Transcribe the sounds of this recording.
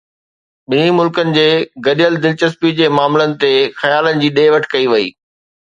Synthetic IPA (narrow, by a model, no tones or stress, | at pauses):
ɓɪnimʊlkənɪ̆d͡ʑeːɡɐɗijəld̪ɪlt͡ɕəspid͡ʑeːmaːmlənɪ̆t̪exɐjaːlənɪ̆d͡ʑiːɗeːʋɐʈʰkɐiʋɐḭː